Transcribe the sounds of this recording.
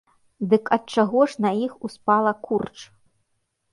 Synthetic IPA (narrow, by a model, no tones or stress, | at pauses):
d̪ɨkɐt̪̚t͡ʂaɣɔʂnɐjixuspalˠɐkurt͡ʂ